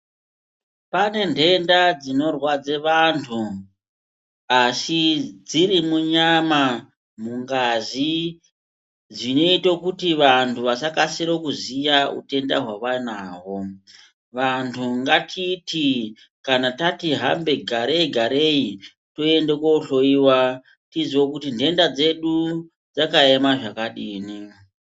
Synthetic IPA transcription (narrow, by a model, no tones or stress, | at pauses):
pane̞ndʱe̞ndad͡zino̞rwad͡zeʋantʰu | asid͡ziɾimuɲama | muŋɡazi | d͡zino̞itokutiʋantʰuʋasakasiɾokuzijaṵte̞nda̰ɦwaʋanaɦo̞ | ʋantʰuŋɡatʰiti | kanatatiɦa̰mbe̞ɡʱaɾeiɡʱaɾei | to̞e̞ndekwouɬo̞iwa | tiziwokutinde̞ndad͡ze̞ɗu | d͡zakaemaʐakaɗiːni